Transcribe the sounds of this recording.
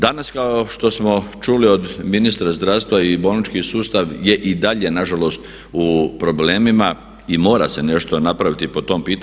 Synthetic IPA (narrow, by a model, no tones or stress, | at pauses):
d̪anaskaoʃt̪o̞smo̞t͡ʃulio̞d̪minist̪ɾazd̪ɾaːst̪ʋaibolnit͡ʃkisuːst̪aʋje̞ʔid̪aʎe̞naʒalo̞st̪ | upɾo̞ble̞ːmima | imo̞ːɾa̰se̞ne̞ʃt̪o̞napɾaʋit̪ipo̞t̪o̞ːmpiːt̪